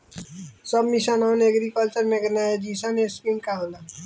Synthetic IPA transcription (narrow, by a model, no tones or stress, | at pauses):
sɐbmiʃanaːnɐɡɾikəlt͡ʃəɾmẽɡɐnaɦed͡ʒiːsaneskĩnkaɦola